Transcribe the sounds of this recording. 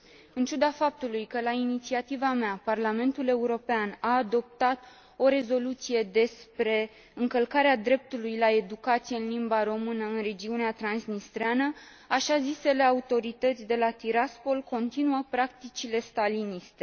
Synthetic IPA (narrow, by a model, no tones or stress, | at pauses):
ɨnt͡ʃud̪afap̚t̪ulujkəlainit̪siat̪ivameaparlame̞nt̪ule̞uɾo̞peanaːd̪o̞p̚t̪at̪ | o̞ɾe̞zo̞lut̪sije̞d̪e̞spɾe̞ | ɨŋkəlkaɾead̪ɾe̞p̚t̪ulujlae̞d̪ukat̪sijeɨnlimbaɾo̞mɨnəɨnre̞d͡ʒiuneat̪ɾansnist̪ɾeanə | aʃazise̞le̞aut̪o̞ɾit̪ət̪sʲd̪e̞lat̪iɾaspo̞lko̞nt̪inuəpɾak̚t̪it͡ʃile̞st̪alinist̪e̞